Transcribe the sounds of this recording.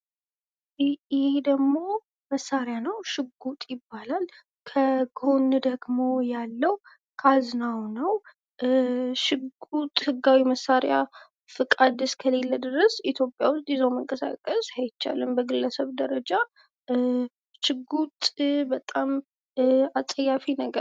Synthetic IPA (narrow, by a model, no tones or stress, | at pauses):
ɪhed̪əɡmo̞ | məsːaɾjanəwʃɪɡːut̪ʼjɪbːalal | kʰəɡʰond̪əɡmo̞jalːəw | kʰaznawnəw | ʃɨɡut̪ʼhɨɡːawiməsːaɾja | fɨkʼad̪ɨskʰəle̞lːəd̪ɨɾəsit̪ʰjo̞pʼjawʊst̪ʼjɪzəwməŋkʼəsa̰kʼəsajɪt͡ʃːa̰lɨmbəɡɨlːəsəβd̪əɾəd͡ʒa | ʃɪɡut̪ʼbət̪ʼam | asʼəjafinəɡə